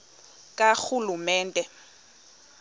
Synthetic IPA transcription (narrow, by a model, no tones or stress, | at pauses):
kʼaxulumɛːntʼɛ